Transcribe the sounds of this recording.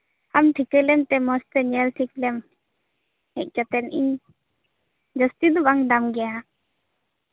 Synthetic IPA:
amt̪ʰikəlɛmt̪ɛmɔst̪ɛɲɛltʰiklɛm | hɛʔ̚kat̪ɛniɲ | d͡ʒəst̪id̪ubaŋd̪amɡɛja

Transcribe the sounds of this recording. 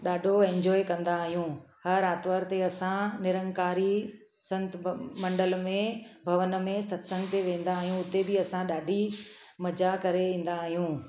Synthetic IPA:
ɗaːɖʱoɛ̃ɲd͡ʑɔːekɐ̃nd̪aːɦijũhɐɾaːt̪ʋəɾt̪eɐsãnɪɾə̃ŋkaːɾi | sɐ̃nt̪mɐ̃ɳɖəlmẽbʱɐʋənmẽsɐt̪sɐ̃ŋɡt̪eʋẽːn̆d̪aːɦijũʊt̪ebɪɐsãɗaːɖʱi | mɐd͡ʑakɐɾeʋĩːn̆d̪aːɦijũː

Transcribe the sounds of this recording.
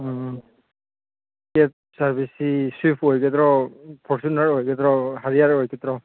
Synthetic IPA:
kɛp̚saɹbisisipʰojkʰɛtɾɔpʰɔɹsunaɹɦojkʰɛtɾɔɦaɹiaɹojkʰɛt̪ɹɔ

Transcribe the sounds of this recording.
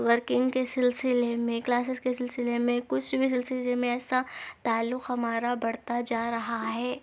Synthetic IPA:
ʋəɾkɪ̃ŋɡkesɪlsɪlemẽklaːs̬ɪskesɪlsɪlemẽkʊt͡ʃʰbʱis̬ɪlsɪlemẽɛːsat̪aːlːʊqɦɐmaːɾabɐɽt̪ad͡ʒaːɾɐɦaɦɛː

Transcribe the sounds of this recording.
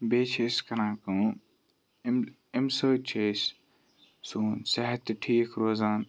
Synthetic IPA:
bet͡ʃʰeskɐnãːkũ | m | emsət͡ʃʰes | suːnseɦt̪ʈʰiːkɾoːzaːn

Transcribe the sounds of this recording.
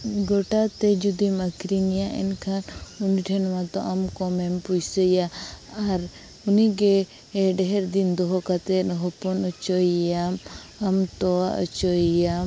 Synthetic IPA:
ɡɔʈat̪ɛd͡ʒud̪imakɾinijaʔɛ̰nkʰanunʈʰɛnmat̪ɔʔamkɔmɛmpujsəjaaɾ | uniɡeː | ɖɛɦɛɾd̪ind̪ɔɦɔkat̪ɛnɦɔpɔnɔt͡ʃɔjjam | amt̪ɔaə̰t͡ʃɔja

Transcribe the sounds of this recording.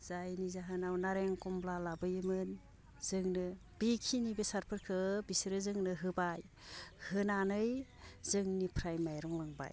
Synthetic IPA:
z̥ajnizaɦɯnawnaɾeŋkɔmblalabɯjɯmɯn | z̥ɯŋnɯ | b̥ikʰinibesaɾpʰɯɾkʰɯbisɾɯzɯŋnɯɦɯbaj | hɯnanɯjzɯŋnipʰɾajmajɾɔŋlaŋba̰j

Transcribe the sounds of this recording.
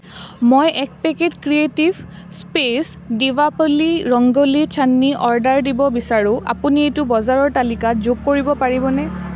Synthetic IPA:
mojʔɛk̚pɛketkɹietibʱ | spes | divapoliɹɔŋɡolit͡ʃʰanːiʔɔɹdaɹdibɔbisaɹʊ̃ʔa̰puniejtʊbɔzaɹɔɹtalikazoɡ̚koɹibɔpaɹibɔnɛ

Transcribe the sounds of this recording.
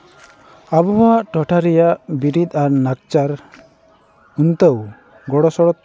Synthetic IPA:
abɔbaʔʈɔʈʰaɾɛjaʔbiɾit̪ˀaɾnak̚t͡ʃaɾ | unt̪əw | ɡɔɽɔsɔɽɔt̪

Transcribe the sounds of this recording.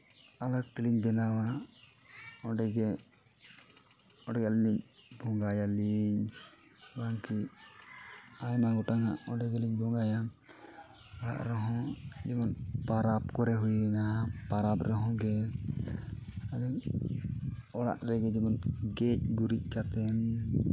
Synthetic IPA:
alak̚t̪iliɲbɛnawa | ɔɖɛɡɛ | ɔɖɛɡaliniɲ̚bʱɔŋɡajaliɲ | baŋki | ajmaɡɔʈaŋa̰ʔɔɖɛɡɛliɲbʱɔŋɡaja | ɔɽa̰ʔɾɔɦɔ̃d͡ʒɛmɔnpaɾap̚kɔɾɛɦujnaɦapaɾapɾɔɦɔ̃ɡɛ | alɛ | ɔɽa̰ʔɾɛɡɛd͡ʒɛmɔnɡɛc̚ɡuɾic̚ˀkat̪ɛn

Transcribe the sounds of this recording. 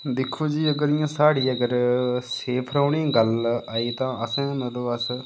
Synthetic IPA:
d̪ɪkʰːoːd͡ʒiːəɡəɾɪjãːsaːɽiːəɡəɾseːpʰɾaːɳiːɡəlaːiːt̪ãːəsɛ̃ːmɛ̃d̪õːəs

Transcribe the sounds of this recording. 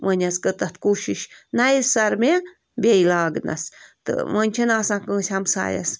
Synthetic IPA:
mənʲaskət̪ət̪kuʃiʃnaissaɾme | bʲejlaːɡna̰st̪ɨ̰mənʲt͡ʃʰənasãkəːsʲamsa̰ja̰s

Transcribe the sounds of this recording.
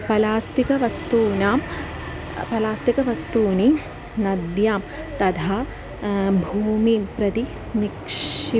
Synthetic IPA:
pɐlaːst̪ikɐʋɐst̪uːnaːm | pɐlaːst̪ikɐʋɐst̪uːni | nɐd̪jaːm | t̪ɐt̪ʰaː | bʱuːmipɾɐt̪i | nikʂi

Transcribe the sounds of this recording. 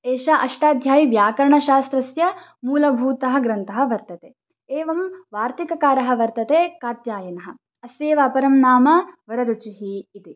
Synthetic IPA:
eːʃaʔɐʂʈaːd̪ʱjaːjiʋjaːkɐɾɐɳɐʃaːst̪ɾɐsjɐmuːlɐbʱuːt̪ɐɦɐ̆ɡɾɐnt̪ɐɦɐ̆ʋɐɾt̪ɐt̪eː | eːʋɐmʋaːɾt̪ikɐkaːɾɐɦɐ̆ʋɐɾt̪ɐt̪eːkaːt̪jaːjɐnɐɦɐ̆ | ɐseːʋaːpɐɾɐmnaːmɐʋɐɾɐɾut͡ʃiɦiːt̪i

